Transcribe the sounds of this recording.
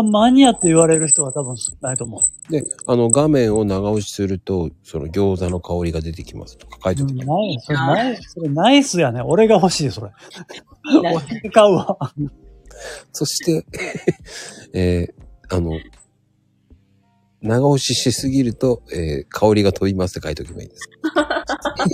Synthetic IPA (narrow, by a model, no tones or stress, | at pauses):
maɲ̟iat̪ːe̞iβaɾe̞ɾɯ̟çi̥t̪o̞β̞at̪abɯ̟̃ɰ̃si̥knait̪o̞mo̞ | d̪e̞ano̞ɡamẽ̞ɰ̃o̞naɡaoɕi̥sɨɾɯ̟t̪o̞so̞̰no̞̰ɡʲo̞ːzano̞kao̞ɾʲiɡad̪e̞t̪e̞kʲima̰sɨ̥t̪o̥kḁkait̪tenaisoɾenaiso̞ɾenaisɨjane̞o̞ɾe̞ɡaɦo̞ɕiːso̞ɾe̞ | oit̪ekaɯa | so̞ɕi̥t̪e̞ | eːano̞ | naɡaoɕiɕisɨɡʲiɾɯ̟t̪o̞ḛːkʰao̞ɾʲiɡat̪ʰo̞bʲimasɨ̥t̪ekait̪okʲima̰ḭːd̪̥esɨ̥